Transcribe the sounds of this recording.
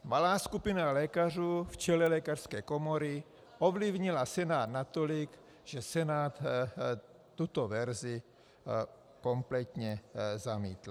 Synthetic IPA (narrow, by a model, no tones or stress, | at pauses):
malaːskupinalɛːkar̝uːft͡ʃɛlɛlɛːkar̥skɛːkomoɾi | ʔovlivɲilasɛnaːd̪nat̪olik | ʒ̥ɛsɛnaːt̪ | t̪ut̪ovɛɾzɪ | komplɛt̪ɲɛzamiːt̪l